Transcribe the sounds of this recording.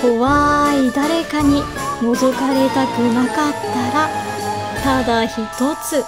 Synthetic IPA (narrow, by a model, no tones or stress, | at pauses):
ko̞βaid̪aɾe̞kaɲ̟i | no̞zo̞kaɾe̞t̪akɯ̟nakat̪ːaɾa | t̪ad̪açit̪o̞t͡sɨ